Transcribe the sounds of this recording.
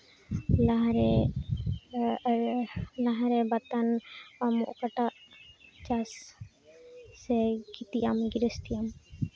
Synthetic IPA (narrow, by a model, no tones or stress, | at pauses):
laɦaɾɛ | laɦaɾɛbat̪anamɔʔɔkaʈaʔt͡ʃas | sɛɡit̪ijamɡiɾəst̪ijam